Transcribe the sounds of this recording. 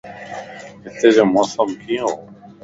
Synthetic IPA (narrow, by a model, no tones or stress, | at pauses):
ɦɪt̪eːd͡ʒoːmoːsəmkʰiːoː